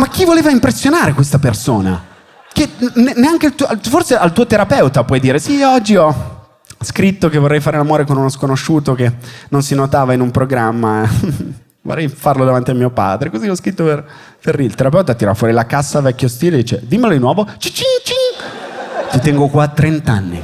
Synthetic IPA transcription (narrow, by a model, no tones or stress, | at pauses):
mak̟ːivoleːvaimpɾesːjonaːɾekwest̪apersoːna̰ | keneneaŋkealt̪uʔforseʔalt̪uːot̪eɾapɛwt̪apwɔjd̪iːɾesiɔd͡ʒːiɔ | skɾit̪ːokevorːɛjfaːɾelamoːɾekonunɔskonoʃːuːt̪okenːonsinot̪aːvainumpɾoɡɾamːa | vo̰rɛjfarlod̪avant̪iamiːopa̰ːd̪ɾekoziɔskɾit̪ːoper | ferilt̪eɾap̬ɛwt̪at̪iɾɔfwɔːɾilakasːavɛkʲːost̪iːled̪iːt͡ʃed̪imːelod̪inwɔːvot͡ʃit͡ʃiŋt͡ʃiŋ | t̪it̪ɛŋɡokwat̪ːɾent̪anːḭ